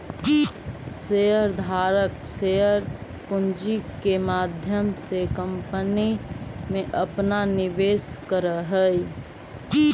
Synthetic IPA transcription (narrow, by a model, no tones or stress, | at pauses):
seəɾd̪ʱaːɾək | seəɾ | pʊnd͡ʒikemaːd̪ʱjəmsekə̃mpənimẽʔəpnanɪʋeːskəɾəɦəj